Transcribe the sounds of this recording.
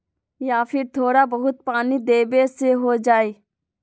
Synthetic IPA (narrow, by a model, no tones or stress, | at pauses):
jaːfʰɪɾt̪ʰoːɽabɐɦʊt̪̚paːnid̪eːbeseɦod͡ʒaːeː